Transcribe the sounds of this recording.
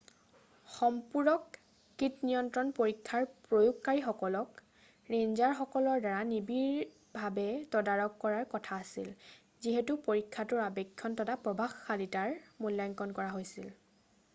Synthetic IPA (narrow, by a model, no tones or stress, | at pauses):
xɔmpuɹɔkː | itnijɔntɹɔnpoɹikʰːaɹpɹojukkaɹixɔkɔlɔk | ɹenzaɹxɔkɔlɔɹdaɹanibiɹ | bʱabɛtɔdaɹɔkːɔɹaɹkɔtʰaːsḭl | ziɦɛtupoɹikʰːatʊɹabɛkʰːɔntɔtapɹɔbʱaxːalitaɹmuljajŋkɔnkɔɹaɦojsil